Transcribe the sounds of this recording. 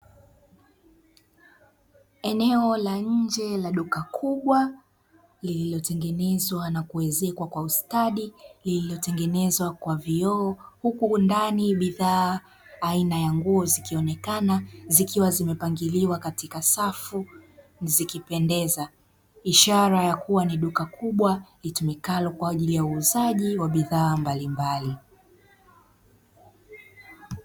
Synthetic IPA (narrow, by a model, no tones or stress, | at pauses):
ɛnɛɔlaɲɲ̩d͡ʒɛlaɗukakʰuɓwa | lililɔtɛŋɡɛnɛzwanakuɛzɛkwakwaustaɗilililɔtɛŋɡɛnɛzwakwaviɔːhukundaniɓiðaː | inajaŋɡuɔzikiɔnɛkanazikiwazimɛpaŋɡiliwakatikasafu | nzikipɛndɛza | iʃaɾajakuwaniɗukakʰuɓwalitumikalɔkwaːʄilijauːzaʄiwaɓiðaːmbalimbali